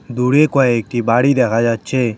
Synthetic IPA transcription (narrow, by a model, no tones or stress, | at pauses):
d̪uːɽeːkoekibaːɽiːd̪eːɣaːd͡ʒaːt͡ʃʰeː